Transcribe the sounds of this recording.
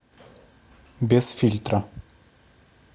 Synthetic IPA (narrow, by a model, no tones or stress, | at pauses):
bʲesfʲilʲt̪rə